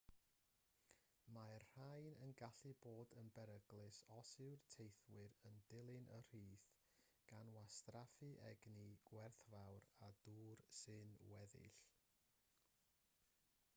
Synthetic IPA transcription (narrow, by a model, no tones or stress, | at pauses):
marr̥ajnənɡaɬɨboːdənbɛɾəɡlˠɨsɔsɪwrtʰejθwɨɾəndɪlˠɨnʔər̥iːθ | ɡ̥anwastrafɨʔɛɡniɡ̥wɛrθvawrad̥uːrsɨnwɛðɪ̰ɬ